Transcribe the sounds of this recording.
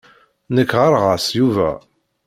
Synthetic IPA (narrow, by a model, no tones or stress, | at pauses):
nəkːʁəɾʁasjuvæ̰